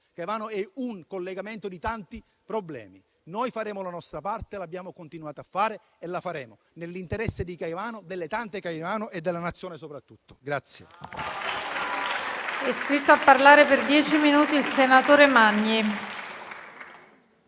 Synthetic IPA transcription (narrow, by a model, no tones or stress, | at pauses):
kajvaːnoɛuŋkolːeɡament̪od̪it̪ant̪i | pɾoblɛ̰ːmi | nojfaɾɛːmolanɔst̪ɾapart̪elabːjaːmokont̪inuaːt̪oafːaːɾe | elːafaɾɛːmo | nelːint̪eɾɛsːed̪ikajvaːnod̪elːet̪ant̪ekajvaːnoʔed̪ːelːanat̪sːjoːnesopɾat̪ːut̪ːo̥ɡɾat̪sːjḛ | ɛskɾit̪ːoapːarlaːɾeperd̪jɛːt͡ʃiminuːt̪iːlsenat̪oːɾemaɲːi